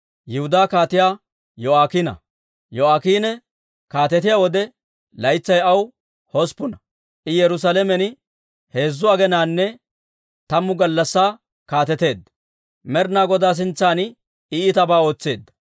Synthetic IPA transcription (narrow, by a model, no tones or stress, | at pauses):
jɪhʊd̪aːkaːt̪ɪjaː | jɔaːkiːnɐ̰ | jɔaːkiːnɛ | kaːt̪ɛt̪ɪjaːwɔd̪ɛ | lɐjt͡sːɐjɐw | hɔspʊnɐ | ʔɪjɛɾʊs̬aːlɛmɛnɪ | he̞ːzːʊɐɡɛnaːnːɛ | t̪ɐmːʊɡɐlːɐsːaː | kaːt̪ɛt̪e̞ːd̪ːɐ̥ | mɛɾnaːɡɔd̪aːs̬ɪnt͡sːaːn | iːt̪ɐbaːo̞ːt͡sːe̞ːd̪ːɐ̥